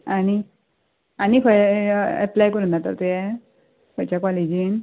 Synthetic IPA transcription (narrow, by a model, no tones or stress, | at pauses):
ani | anikʰəɛ̰plajkəɾũnd̪at̪ə̰ɾt̪ujɛ | kʰɔt͡ɕakɔlid͡ʑin